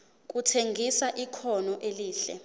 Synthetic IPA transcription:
k̬ʼutʰeŋɡʱisaʔikʰɔnɔʔeliːɬɛ̰

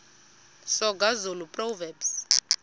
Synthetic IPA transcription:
sɔɡazulupʼrɔvɛbs

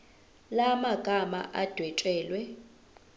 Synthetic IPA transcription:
lamaɡ̥ʱama̰ʔad̥ʱwɛtʼɛːlwɛ

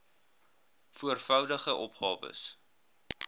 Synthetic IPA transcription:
fuərfœwdəχəʔɔpχɑːvə̰s

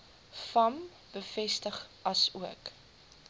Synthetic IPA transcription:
fɐm | b̥əfɛstəχɐsuək

